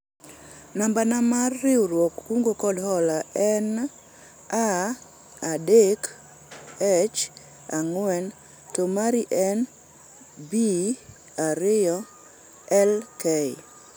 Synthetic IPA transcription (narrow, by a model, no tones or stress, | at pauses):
nambanamarːɪoɾwɔkːuŋɡokɔdhɔlaɛn | a | adek | et͡ʃ | aŋwɛn | tomaɾiʔɛn | bi | aɾɪjɔ | ɛlke